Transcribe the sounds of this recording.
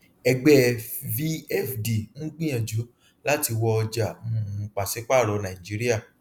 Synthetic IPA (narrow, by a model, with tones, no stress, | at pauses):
ɛ˧ɡ͡bɛ˦vi˦ɛ˦˨fdi˨ŋ̩̃˦ɡ͡bĩ˦ã˨d͡ʒu˨˦ | la˦ti˧wɔ˧ɔ˧d͡ʒa˨mũ˦˨˧k͡pa˨sɛ˨˦k͡pa˦˨ɾɔ˨˦nã˨ĩ˨d͡ʒi˨˦ɾi˦a˦˨